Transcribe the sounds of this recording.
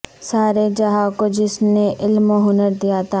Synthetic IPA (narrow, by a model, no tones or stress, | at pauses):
saːɾed͡ʒɐɦaːkod͡ʒɪsneʔɪlmoɦʊnəɾd̪ijat̪ʰaː